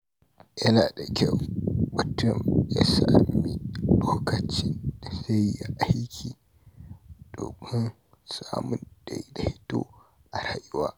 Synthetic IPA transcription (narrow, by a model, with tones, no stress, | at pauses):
jɐ˦naː˨da˨kʲɐ˦˨wbʊ˨tʊ˦˨mja˦sa˨ʔmːi˦loː˦kɐ˨t͡ʃiː˦da˨sa˦jja˨ʔa˦jkʲʰiː˨ | d̥o̰ː˨mɪ˦n | saː˦˨mʊ˦nda˨jda˨hɪ˦to̰ː˦ | ʔa˨ɾaː˦jʊ˦waː˦